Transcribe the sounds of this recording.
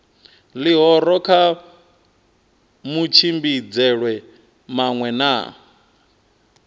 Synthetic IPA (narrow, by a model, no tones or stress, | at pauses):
liɦɔɾɔkʰa | mut͡ʃʰimbid͡zɛɺwɛ | maŋwɛna̰